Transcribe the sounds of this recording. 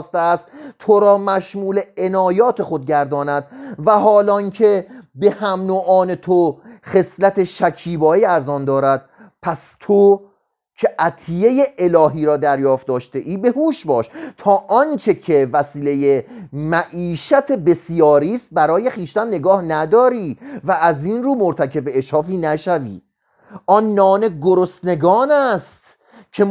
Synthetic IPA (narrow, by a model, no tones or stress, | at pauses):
st̪eæst̪t̪ʰoɾɒːmæʃmuːle̞enɒːjɒːt̪ʰe̞xod̪̚ɟæɾd̪ɒːnæd̪̥̚væɦɒːlɒːncʰebe̞hæmnoːʔɒːne̞t̪ʰoχe̞slæt̪ʰeʃæcʰiːbɒːiːæɾzɒːnd̪ɒːɾæd̪̥̚ | pʰæst̪ʰo | cʰeʔæt̪ʰijejeʔelɒːɦiːɾɒːd̪æɾjɒːft̪d̪ɒːʃt̪e̞ʔiːbe̞huːʃbɒːʃt̪ʰɒːʔɒnt͡ʃʰe̞cʰe̞væsiːlejemæʔiːʃæt̪ʰe̞be̞sjɒːɾiːst̪̚bæɾɒːje̞xiːʃt̪ænne̞ɡɒːhnæd̪ɒːɾiːvæːziːnɾuːmoɾt̪ʰæcʰe̞beeʃhɒːfiːnæʃævḭː | ʔɒnːɒːne̞ɡoɾosne̞ɡɒːnæst̪ | cʰe